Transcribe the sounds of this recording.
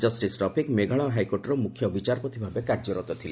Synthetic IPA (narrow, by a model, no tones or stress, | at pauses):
d͡ʒɔsʈisʈɾɔpʰikmeɡʱaɭ̃aɦajkoɾʈɔɾɔmukʰjɔbit͡ʃaɾpɔt̪ʰibʱabekaɾd͡ʒɔɾɔt̪ɔt̪ʰile